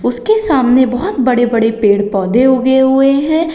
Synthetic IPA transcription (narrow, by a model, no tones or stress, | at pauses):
ʊskesaːmnebɐɦʊt̪bɐɽebɐɽepeːɽpɔːd̪ʱeɦoɡeɦʊeɦɛ̃ː